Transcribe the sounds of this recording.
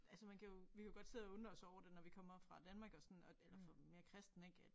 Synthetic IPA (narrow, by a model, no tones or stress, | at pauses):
ælsəmænkʰæjo̝ʋikʰæjoɡ̥ɒd̥se̝ð̰ˠɔ̽nɒsɒʊ̰ɐd̥e̝nɒʋikʰɒ̽m̰ɐfʁɑ̈d̥ænmɑ̈ːɡ̥ɒ̽sɒ̽nɒelɐfɒme̝ɐkʰʁɛsd̥n̩eɡ̥el